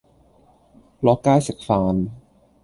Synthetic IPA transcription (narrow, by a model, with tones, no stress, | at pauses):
lɔ˦˥kːaː˥˩se˨˩k̚faː˧n